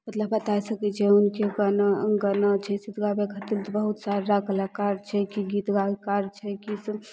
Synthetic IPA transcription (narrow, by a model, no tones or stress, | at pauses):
mət̪ləbbət̪asəkɛt͡ʃʰɛunkeɡənɡənət͡ʃʰɛsid̪ɡabekʰət̪ilt̪bəɦut̪saɾɾakəlakaɾt͡ʃʰɛkiɡit̪ɡakaɾt͡ʃʰɛkis